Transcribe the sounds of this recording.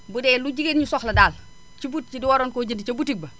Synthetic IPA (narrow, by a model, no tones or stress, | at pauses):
budɛluɟiɡenɲusɔxlɐdaːl | t͡ʃibut̚t͡ʃidiwoɾoːnkoːɟindit͡ʃɐbutik̚bɐ